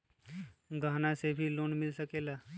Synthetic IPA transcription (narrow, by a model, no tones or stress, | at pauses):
ɡaːnasebʱiloːnmɪlsəkeːlaː